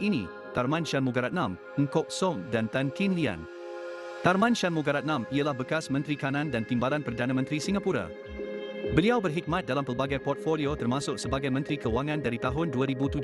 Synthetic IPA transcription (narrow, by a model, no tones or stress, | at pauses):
inḭ̃ | t̪armãnt͡ʃanmuɡaɾat̪̚nãm | əŋkɔk̚sɔmdant̪ankinlia̰n | t̪armãnʃanmuɡaɾat̪̚nãmialahbəkasmə̃nt̪ɾikanãndant̪imbalanpərdanãmə̃nt̪ɾisiŋapuɾa̰ | bəliawbərɦik̚mãt̪̚dalampərbaɡajpɔrt̪̚foliot̪ərmãsʊk̚səbaɡajmə̃nt̪ɾikəwaŋãndaɾit̪aɦʊnduaɾibut̪ud͡ʒ